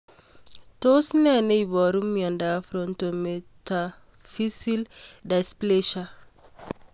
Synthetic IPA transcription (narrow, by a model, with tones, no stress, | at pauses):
to˦snɛ˦ne˦bɔ˨ɾu˦mːiɔ̃˨nda˨fɾɔ̃˨ntometa | fi˦sildaspleʃa